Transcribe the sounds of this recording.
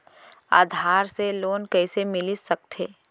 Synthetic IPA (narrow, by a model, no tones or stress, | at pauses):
a̰ːd̪ʱaːɾseloːnkɛːsemɪlisɐk̚t̪ʰeː